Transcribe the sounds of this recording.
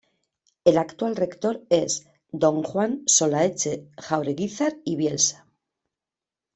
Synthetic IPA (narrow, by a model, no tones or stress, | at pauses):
e̞lakt̪walre̞kt̪o̞ɾe̞z | d̪o̞ŋxwanso̞laet͡ʃe̞xawɾeɣiθaɾiβje̞lsḁ